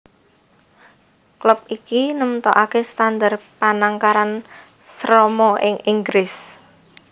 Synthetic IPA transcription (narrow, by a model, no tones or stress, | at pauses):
klʊp̚ikinəmt̪ɔʔakest̪and̪arpanaŋkaɾan | sɾɔmɔʔɪŋʔiŋɡɾɪs